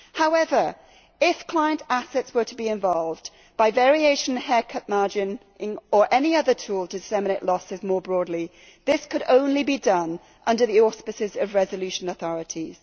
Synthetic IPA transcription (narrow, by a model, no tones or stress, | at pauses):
haʊɛvə˞ | ɪfkʰl̥aɪə̃ntʰasɛtswə˞tʰəbiɪ̃ɱvɒlˠv | b̥aɪvɛɹieɪʃə̃n̩əhɛːkʰʌʔ̚mɑɹd͡ʒɪ̃n | ɪ̃ŋə˞ʔɛniʌðə˞tʰuːlˠtʰədɪsɛməneɪʔlɔsɪzmɔːbɹɔːdˡli | ðɪskʰəɾõʊ̃nlibidʌ̃n | ʔʌ̃ndə˞ðiɔˑspɨsɪzəvɹɛzəlʉˑʃə̃nəθɔɹɨtʰiz̥